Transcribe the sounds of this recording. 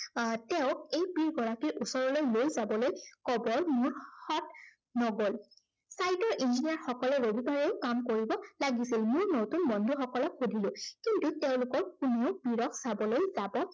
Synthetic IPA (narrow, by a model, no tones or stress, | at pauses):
tɛʊ̃kejpiɹɡɔɹakiʔusɔɹɔlojlojzabɔlojkɔbɔɹmʊɹxɔt̚ | nɔɡol | sajtɔɹʔind͡ʒiniaɹxɔkɔlɛɹobipaɹɛʊkamkoɹibɔlaɡisilmʊɹnotunmɔndʱuxɔkɔlɔkxudʱilʊ̃kintuteʊ̃lʊkɔɹkuneʊpiɹɔkʰsabɔlojzabɔ